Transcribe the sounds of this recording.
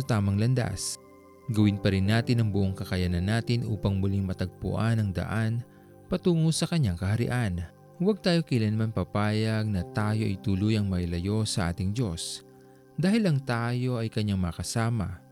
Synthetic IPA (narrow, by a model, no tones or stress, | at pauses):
ɐt̪aːmɐŋlɐnd̪a̰s | ɡɐwɪnpɐɾɪnːaːt̪ɪnɐŋbʊʔoŋkɐkɐjanɐnːaːt̪ɪnʔṵːpɐŋmʊliŋmɐt̪ɐɡ̚pʊ̰ʔanɐŋd̪ɐ̰ʔan | pɐt̪uːŋosɐkɐɲːaŋkɐhɐɾɪ̰ʔan | wɐɡ̚t̪aːjo̞kɪlɐnmanpɐpaːjɐɡ̚nɐt̪aːjo̞ʔɐ̰jt̪ulʊjɐŋmɐɪlɐjo̞sɐʔa̰ːt̪ɪŋd͡ʒo̞s | d̪aːhɪlɐŋt̪aːjo̞ʔɐjkɐɲːaŋmɐɐkɐsaːmɐ̰